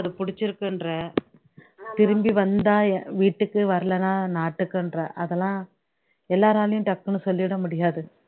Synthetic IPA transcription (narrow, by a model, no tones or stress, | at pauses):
ɐðɯpʊɽɪt͡ʃːɪɾɯkːɪndɾɐ | t̪ɪɾɯmbiʋɐnd̪aːʋiːʈːɯkːɯʋɐɾɐlɐnaːnaːʈːɯkːɯndrɐʔɐðɛlãː | ɛlːaːɾnaːlɪjʊ̃ʈɐkːɯnɯsɔlːɪʋɪɽɐmʊɽɪjaːðɯ